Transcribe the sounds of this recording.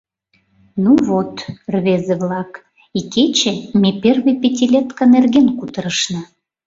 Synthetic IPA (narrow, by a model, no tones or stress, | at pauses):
nuβot̪rβezeβlɑk | iket͡ɕĕmeperβĕjpetʲilʲet̪kɑnerɣenkut̪əɾəʃnɑ